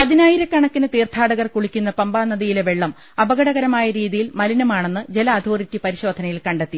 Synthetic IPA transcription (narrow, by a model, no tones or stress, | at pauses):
pɐðinaːjiɾɐkɐɳɐkːinɨt̪iːrt̪ʰaːɽɐɣɐrkuɭikʲːunːɐpɐmbaːnːɐðijileʋeɭːɐm | ɐbɐɣɐɽɐɣɐɾɐmaːjɐɾiːðijilmɐlinɐmaːɳenːɨd͡ʑe̞lɐːd̪ʱo̞ːritːipɐɾiɕo̞ːd̪ʱɐnɐjilkɐɳɖet̪ːi